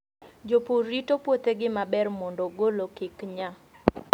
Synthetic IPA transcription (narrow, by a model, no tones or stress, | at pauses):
d͡ʒoporitopwot̪eɡɪmabɛrmɔndɔɡolokɪkɲa